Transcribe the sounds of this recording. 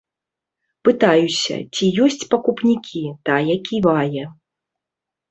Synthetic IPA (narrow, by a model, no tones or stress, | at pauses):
pɨt̪ajusʲɐ̰t͡sʲijɔsʲt͡sʲpɐkupnʲikʲʰit̪ajɛkʲivajɛ